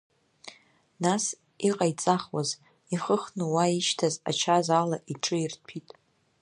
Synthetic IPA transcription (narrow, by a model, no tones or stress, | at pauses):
nas | iqʼajt͡sʼaχwaz | iχəχnɨwaiʃtʰaza̰t͡ʃʰazalaʔiʈ͡ʂʰɨirtʰitʼ